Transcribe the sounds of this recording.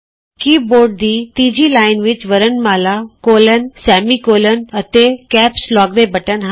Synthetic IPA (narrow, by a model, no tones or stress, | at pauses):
kiːboːɾɖ̚d̪iːt̪iːd͡ʒiːlaːɪnʋɪt͡ʃʋəɾənmaːlaːkoːlənsɛːmiːkoːlənət̪eːkɛːpslɔːɡ̚d̪eːbəʈənɦ